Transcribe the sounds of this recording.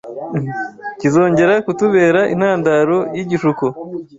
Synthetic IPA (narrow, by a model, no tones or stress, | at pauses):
cizo̞ːɲɟe̞ɾakutuβe̞ːɾaʔḭn̥haːndaɾo̞jiɟiʃuko